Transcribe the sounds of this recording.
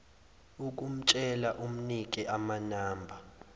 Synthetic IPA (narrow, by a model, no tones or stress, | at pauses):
uk̬ʼum̩t͡ʃʼɛlaʔum̩nik̬ʼiʔamanaːmbʱa